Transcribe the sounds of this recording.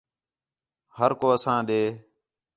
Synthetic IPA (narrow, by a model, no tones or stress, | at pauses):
həɾkoːəsãːɗ̪eː